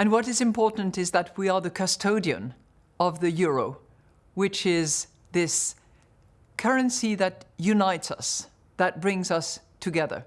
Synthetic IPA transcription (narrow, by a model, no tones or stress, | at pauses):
ɨ̃nwʌɾɨzɨ̃mpʰɔɹʔn̩tɨzðɨt̚wiə˞ðɨkʰɨstʰoʊɾiɨ̰̃n | ʌvðɨjʊɹoʊ | wɪt͡ʃɪz | ðɪs | kʰɜ˞ɨ̃nsiðɨtjʉnaɪtsʌ̰s | ðɨt̚b̥ɹɪ̃ŋzʌstʰɨɡɛðə̰˞